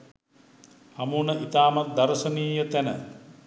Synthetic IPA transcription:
hamuːnəʔit̪aːmat̪̚d̪aɾəsəniːjət̪ænə

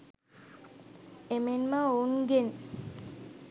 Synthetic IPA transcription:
emenmaːuŋɡen

